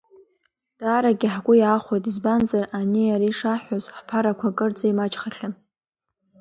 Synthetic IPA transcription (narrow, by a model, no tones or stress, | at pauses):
d̥aːɾaɡʲɪħɡʷʊjaːχʷojtʼizbanzaraniaɾiʂaħʷozħpʰaɾakʷʰakʼɨrd͡zaimat͡ʃʼχaɬɨn